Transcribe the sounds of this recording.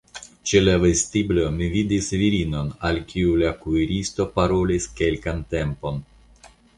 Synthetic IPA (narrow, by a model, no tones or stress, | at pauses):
t͡ʃelavestiblo̞mividisviɾino̞nalkʰiulakuiɾisto̞paɾo̞liske̞lkante̞mpo̞n